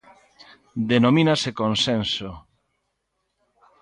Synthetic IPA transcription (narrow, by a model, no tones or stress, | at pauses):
d̪enomĩnasekonsenso